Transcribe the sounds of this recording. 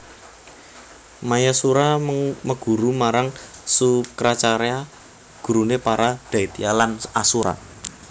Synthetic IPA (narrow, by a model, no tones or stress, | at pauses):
majasuɾaməɡ̥uɾumaɾaŋsukɾat͡ʃaɾea | ɡ̥ṳɾunepaɾad̪̥a̤it̪ialanasuɾa̰